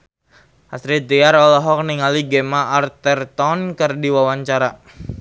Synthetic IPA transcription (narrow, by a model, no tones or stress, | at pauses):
ʔasɾit̪iaɾɔlɔɦɔk̚niŋaliɡɛmaʔːrt̪ərt̪ɔnkərdiwawaɲt͡ʃaɾa